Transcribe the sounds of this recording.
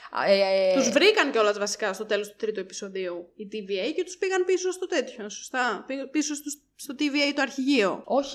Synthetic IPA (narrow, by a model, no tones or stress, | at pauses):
et̪uzvɾikɐnceo̞lɐzvɐsi̥kɐst̪o̞t̪e̞lo̞st̪u̥t̪ɾit̪ue̞pi̥so̞ðiuit̪iviejcet̪u̥spiɣɐnpisost̪ot̪e̞t̪ço̞so̥st̪ɐpipisost̪us | st̪ot̪iviejt̪oɐɾçiʝio̰o̞ç̥